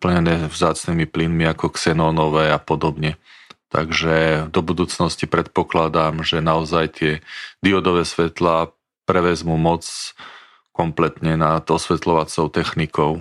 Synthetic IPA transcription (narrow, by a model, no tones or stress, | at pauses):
pl̩ɲɛnɛːvzaːt͡sniːmiplinmiakɔksɛnɔːnɔʋɛapɔd̪ɔbɲɛt̪a̰ɡʒɛd̪ɔbud̪uːt͡snɔscipɾɛt̪̚pɔklad̪amʒɛnaɔzajt̪ɪɛd̪iɔd̪ɔʋɛːsʋɛt̪laː | pɾɛʋɛzmuːmɔt͡s | kɔmplɛt̪ɲɛnat̪ɔsʋɛt̪lɔʋat͡sɔʊt̪ɛxnikɔʊ